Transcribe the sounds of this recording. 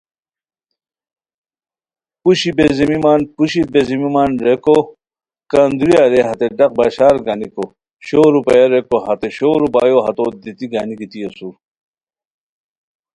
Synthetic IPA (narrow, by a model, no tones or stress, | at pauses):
puɕibezimimaːnpuɕibezimimaːnɾeko | kand̪uɾijaɾeɦɐt̪eɖɐq̚baːɕaːɾɡaːniko | ɕoːɾupɐjaɾekoɦɐt̪eɕoːɾupaːjoɦɐt̪od̪it̪iɡaːnikit̪ijesuɾ